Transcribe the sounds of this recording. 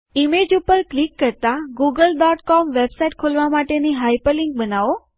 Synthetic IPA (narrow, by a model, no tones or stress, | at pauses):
imed͡ʒupəɾklikːəɾt̪aɡuɡəlɖɔʈkɔmʋebsaiʈ̚kʰolʋamaʈeniɦajpəliŋk̚bənaʋo